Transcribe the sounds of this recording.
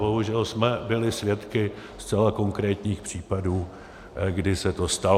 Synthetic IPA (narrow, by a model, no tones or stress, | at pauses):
boɦuʒɛlsmɛbɪlɪsvjɛt̪kɪ | st͡sɛlako̞ŋkɾɛːt̪ɲiːxpr̝̥iːpaduː | ɡdɪsɛt̪o̞st̪a